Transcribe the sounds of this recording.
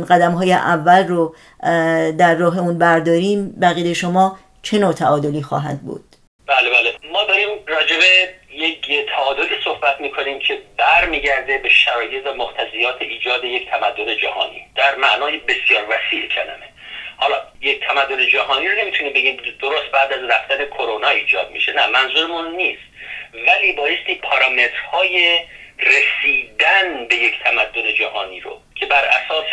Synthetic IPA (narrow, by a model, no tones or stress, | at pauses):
ɢæd̪æmɦɒːjeʔævːælro | d̪æɾːɒːɦe̞unbæɾd̪ɒːɾiːmbæɣiːd̪eʃo̞mɒː | t͡ʃʰe̞noːt̪ʰæɒːd̪oliːxɒ̰ːɦæ̰d̪̚bṵːd̪̥ | b̥æːlebæːlemɒːd̪ɒːɾiːmrɒːd͡ʒe̞be̞ | jekʰt̪ʰæɒːd̪o̞liːsohbæt̪ʰmiːkʰo̞niːmcʰe̞bæɾmiːɟæɾd̪e̞beʃæɾɒːje̞t̪væmoɡt̪ʰæziːjɒːt̪ʰeʔiːd͡ʒɒːd̪eject̪ʰæmæd̪ːoned͡ʒæhɒ̰ːnḭːd̪̥æɾmæʔnɒːje̞be̞sijɒːɾvæsiːʔecʰælæ̰me̞hɒːlɒːje̞ct̪ʰæmæd̪ːone̞d͡ʒæɦɒːniːɾone̞miːt̪ʰunimbeɟʲiːmd̪oɾost̪̚bæːd̪æzræft̪æne̞kʰoɾonɒːiːd͡ʒɒ̰ːd̪̚mḭʃe̞næmænzuɾemunːiːst̪væliːbɒːje̞st̪iːpʰɒɾɒːme̞t̪ɾ̥hɒːjeresiːd̪ænbe̞jecʰt̪ʰæmæd̪ːone̞d͡ʒæhɒːniːɾo̰cʰe̞bæɾʔæ̰sɒːs